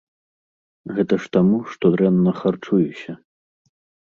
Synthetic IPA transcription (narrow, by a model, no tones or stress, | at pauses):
ɣɛt̪ɐʂt̪amuʂt̪ɔd̪ɾɛnːɐxart͡ʂujusʲɐ